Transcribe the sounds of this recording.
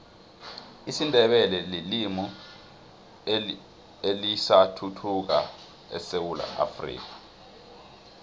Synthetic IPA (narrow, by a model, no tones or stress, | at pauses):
isindʱɛɓɛlɛlilimu | elisatʰutʰuk̬a̰ | ɛ̰sewula̰ʔa̰frḭːk̬ḁ